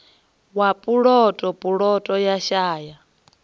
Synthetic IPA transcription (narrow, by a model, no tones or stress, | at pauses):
wapʼuɺɔtʼɔpʼuɺɔtʼɔjaʃaːja